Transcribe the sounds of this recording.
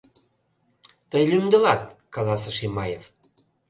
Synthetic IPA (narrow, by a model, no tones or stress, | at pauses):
t̪əjlʲymd̪əlɑt̪̚kɑlɑsəʃimɑjev